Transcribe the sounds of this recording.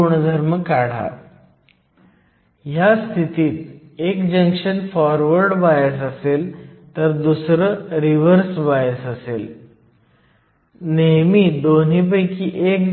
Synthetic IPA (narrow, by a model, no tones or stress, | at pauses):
uɳd̪ʱəɾməkaɽ̤a̰ | jast̪ʰit̪iːt̪ | ekd͡ʑəŋkʂənfɔɾʋəɾɖbajəsəselt̪əɾd̪usɾəɾiʋəɾsbajəsəsel | neɦmiːd̪onip̬əjkiːʔek